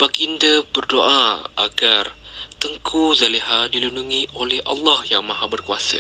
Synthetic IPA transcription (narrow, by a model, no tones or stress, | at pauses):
b̥aɡindabərdoʔaʔa̰ɡart̪əŋkʰuzaliɦadilunduŋĩʔolɛhʔa̰lːahjaŋmaɦabərkuasa̰